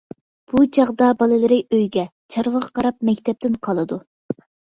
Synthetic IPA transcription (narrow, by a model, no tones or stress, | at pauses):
b̥ut͡ʃʰɑʁd̪ɑbɑlˠɨlɪɾɪøjɡʲɛt͡ʃʰɑɾwəʁɑqʰɑɾɑp̚mɛkʲt̪ʰɛp̚t̪ɪnqʰɑlˠɨd̪u